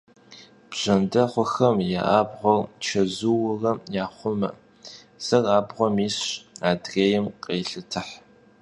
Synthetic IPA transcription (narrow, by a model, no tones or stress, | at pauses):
b̥ʑ̥ɐndɐχʷʊxɐmja̰ʔaːbʁʷɔrt͡ʃʰɐzuwʊrɐmjaːχʷʊmɐ̰ | z̥ɐraːbʁʷɔmiːɕaːdreːjɪmqʼeːɬɨtʰɨħ